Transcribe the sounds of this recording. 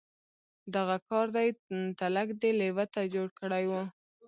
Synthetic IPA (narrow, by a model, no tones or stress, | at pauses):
d̪aɣakɑɾd̪ajt̪alakd̪elewat̪ad͡ʒoɽkəɽajwə